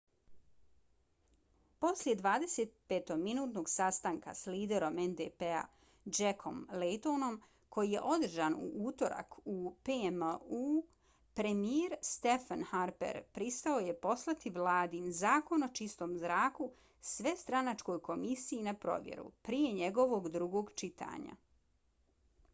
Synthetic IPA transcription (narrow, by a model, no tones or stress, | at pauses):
po̞slje̞d̪ʋaːd̪e̞seːt̪̚pet̪o̞ɡminuːt̪no̞ɡsast̪aŋka̰sliːd̪e̞ɾo̞mend̪epea̰ | d͡ʒekʰo̞̰mlet̪o̞no̞m | kʰo̞jije̞̰ʔo̞d̪r̩ʒaːnṵʔuːt̪o̞ɾa̰kʰupemu | pɾe̞mieɾst̪e̞fanhaɾpḛɾpɾist̪ao̞je̞po̞slˠat̪iʋlˠaːd̪inzaːko̞no̞t͡ʃist̪o̞ːmzɾaːku | sʋe̞st̪ɾanat͡ʃko̞jko̞misijinapɾo̞̰ʋjḛɾṵpɾije̞ɲe̞ɡo̞ʋo̞ɡd̪ɾuɡo̞ːɡt͡ʃit̪ʰa̰ːɲa̰